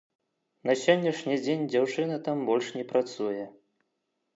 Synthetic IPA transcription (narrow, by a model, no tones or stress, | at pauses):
nɐsʲɔnʲːɛʂnʲid͡zʲenʲd͡zʲawt͡ʂɨnɐt̪ambɔlʲʂnʲɛpɾat̪sujɛ